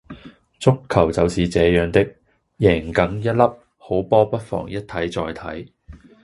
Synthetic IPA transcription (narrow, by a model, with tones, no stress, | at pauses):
t͡sʊ˥kʰːɐ˨˩wt͡sɐ˨wsiː˨t͡sɛː˨˧jœː˨˧ŋt̪ɪ˥k̚ | jɛː˨˩ŋkɐ˨˥ŋjɐ˥t̚lɐ˥p̚ | ho˨˥wpɔː˥pɐ˥t̚fɔ̰ː˨˩ŋjɐ˥t̚t̪ʰɐ˨˥jt͡sɔː˨jt̪ʰɐ˨˥j